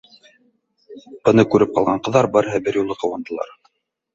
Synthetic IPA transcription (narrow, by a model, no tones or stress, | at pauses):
b̥ɤ̆nɤkʉɾɘp̚qɑlˠʁɑɴqɤ̆ðːɑɾbɤɾɦæbɘɾjulˠɤqɤ̆wɑnd̪ɤ̆lˠɑ̰ɾ